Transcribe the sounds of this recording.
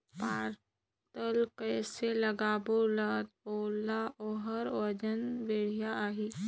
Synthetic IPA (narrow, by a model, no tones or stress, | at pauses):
paːɾ | t̪əlkɛːseləɡaːbolat̪oːlaoɦəɾʋəd͡ʒənʋeːɽ̤ijaaːɦiː